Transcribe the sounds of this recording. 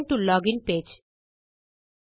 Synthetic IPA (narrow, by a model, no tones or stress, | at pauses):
nʈulɔːɡɪ̃npeːd͡ʒ